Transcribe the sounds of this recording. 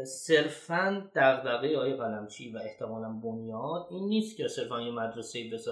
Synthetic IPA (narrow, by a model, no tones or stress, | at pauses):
se̞ɾfænd̪̥æɣd̪æɣejɒːjeɣælæmt͡ʃʰiːvæe̞ht̪ʰe̞mɒːlænbonjɒːd̪iːnːiːst̪cʲʰese̞ɾfænjemæd̪ɾeseiːbe̞sɒ